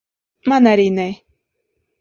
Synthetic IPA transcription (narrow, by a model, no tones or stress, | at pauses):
manaɾine